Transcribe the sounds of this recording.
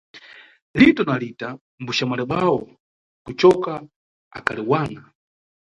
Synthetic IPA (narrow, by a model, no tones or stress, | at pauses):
litɔnalita | mbuʃamalɛɓawɔ | kut͡ʃɔka | a̰kʰa̰liwaːna